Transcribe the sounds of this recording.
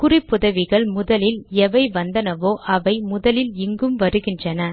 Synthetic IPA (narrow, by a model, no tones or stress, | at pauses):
kʊrɪpːʊðɐʋɪɣɐɭmʊðɐlɪlɛʋɐɪʋɐnd̪ɐnɐʋoːʔɐʋɐɪmʊðɐlɪlɪŋɡɯmʋɐɾɯɣɪndrɐnɐ